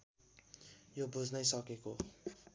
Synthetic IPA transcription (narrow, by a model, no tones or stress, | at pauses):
jobud͡zʱnʌjsʌkeko